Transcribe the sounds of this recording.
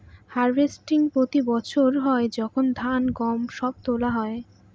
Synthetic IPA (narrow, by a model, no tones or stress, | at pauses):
haɾbesʈiŋpɾot̪ibɔt͡ɕʰoɾɦɔed͡ʑɔkʰond̪ʱanɡɔmʃɔb̚t̪olaɦɔe